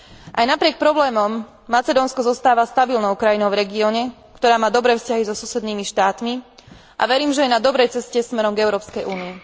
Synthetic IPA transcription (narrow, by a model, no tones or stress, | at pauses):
ʔajnapɾɪɛk̚pɾɔblɛːmɔmː | at͡sɛd̪ɔːnskɔzɔst̪aːʋast̪abilnɔʊkɾajinɔʊvɾɛɡiɔːɲɛ | kt̪ɔɾaːmaːd̪ɔbɾɛːfscaɦizɔsusɛd̪niːmiʃt̪aːt̪mi | ʔa̰ʋɛɾiːmʒɛjɛnad̪ɔbɾɛjt͡sɛscɛsmɛɾɔmɡɛʊɾɔːpskɛjʔuːnii